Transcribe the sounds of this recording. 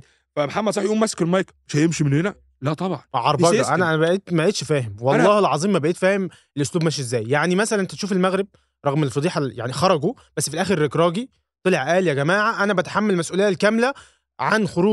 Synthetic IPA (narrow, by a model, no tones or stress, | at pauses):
fæmħamːæd̪sˤɑħjʔuːmæskelmɑjk | ʃhæjemʃimenhenæ | læt̪ˤɑbʕɑnʕɑɾˤbɑɡʔænææbæʔeːt̪mæʔeːt̪ʃfæːhemwɑllˤːɑːhelʕɑzˤiːmːæbæʔeːt̪fæːhem | elʔosluːbmæːʃ̬ʔezːæːjjaʕnimæsælænʔt̪æt̪ʃuːfelmæɣɾeb̚ | ɾˤɑɣmelfɑd̪iːħɑja̰ʕnixɑɾˤɑɡob̥æsːfilʔæːxeɾːekɾˤɑːɡi | t̪ˤeleʕʔæːljæɡæmaːʕaʔænæbæt̪ħamːælmæsʔuːlejælkæmlæ | ʕanxoɾuː